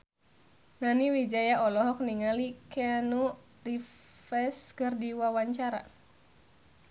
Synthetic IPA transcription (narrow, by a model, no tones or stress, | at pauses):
naniwid͡ʒajaʔɔlɔɦɔk̚niŋalikɛanu | rifɛskɨrdiwawaɲt͡ʃaɾa̰